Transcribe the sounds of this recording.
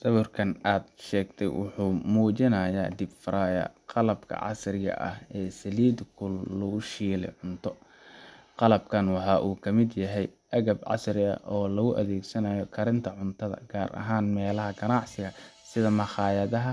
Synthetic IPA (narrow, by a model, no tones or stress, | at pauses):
sɐβʊrkʰɐnaːd̪ʃɛːɡt̪ʰɛ̰jwʔʊ̰ħuːmuːt͡ʃɪnɐjaːd̪ɪbfɐɾaːjɐ̰qɑlɐb̥kʰɐ̰ʕɑ̰srɪɣɐ̰ʔɐ̰hɛːsɐliːd̪kʰʊllɔɣʊʃiːlɛ̰ʕʊnt̪ʰɔ | qɑlɐbkʰɐnwɑħɑːʔuːkʰɐmɪd̪jɐɦɛjʔɐɣɐbʕɑ̰sɾɪɐ̰ʔɔːlɐɣʊʔɐðɛːɡsɐnɐjɔkʰɐɾɪnt̪ʰɐʕʊnt̪ʰɐðɐ̰ɡ̥aːɾʔɐ̰ɦaːnmɛːlɐɦɐɡɐnɑʕsɪɣɐsɪðɐmɐχɑːjɐðɐɦɐ